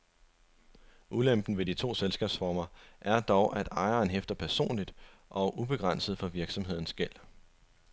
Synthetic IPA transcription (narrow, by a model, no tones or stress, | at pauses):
ʔulem̰b̥n̩ʋe̝dit͡sʰo̝̰ːselsɡ̥ɛ̰ːb̥sfɒːmɐʔæɐd̥ɒʊʔæd̥ɑ̈ɪɐːnɦefd̥ɐpʰæɐso̝̰ːnlid̥ʔɒ̽ʔub̥e̝ɡ̥ʁɑn̰səð̩ˠfɒ̽ʋiɐɡ̥sɒ̽mɦe̝ð̰ˠn̩sɡ̥el̰